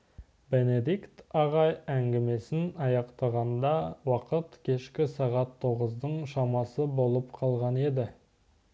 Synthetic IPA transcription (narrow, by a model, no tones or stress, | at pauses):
be̞ne̞d̪ikt̪ɑʁɑjæŋɡʲɪme̞sɪnɑjɑqt̪ɑʁɑnd̪ɑwɑqət̪kʲʰe̞ʃkʲɪsɑʁɑt̪ʰːo̞ʁəzd̪əɴʃɑmɑsəbo̞lˠəpqʰɑlˠʁɑne̞d̪ɪ